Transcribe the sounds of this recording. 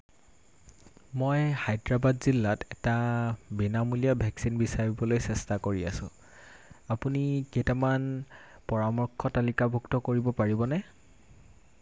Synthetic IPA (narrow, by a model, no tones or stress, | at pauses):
mojxajdɹabadzilːatʰɛtabinamulijabʱɛksinbisaɹibɔlojsɛstakoɹia̰sʊ̰̃ | apuniketaman | pɔɹamɔɹkʰɔtalikabʱuktɔkoɹibɔpaɹibɔnɛ